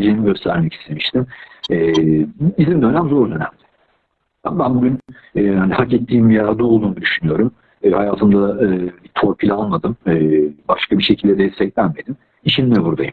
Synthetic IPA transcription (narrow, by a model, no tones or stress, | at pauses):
d͡ʒeːniɟø̞st̪ʰæɾmɛcʰi̥st̪ʰe̞miʃt̪ʰimɛ | izimd̪ønæmzo̞ɾunø̞næ̰mlʲɪ̥ | abænbuɟyn | ɛːhanihacɛt̪ʰːiːmjad̪uːlˠd̪uːnud̪yʃynyjo̞ɾumː | hajaːt̪ʰɯmd̪abit̪ʰo̞ɾpʰilʲalˠmad̪ɯmɯːbaʃkʰabiʃe̞cʰilʲd̪ɛd̪ɛst̪ʰɛclʲænme̞d̪im | iʃinnɛbuɾd̪ajɯm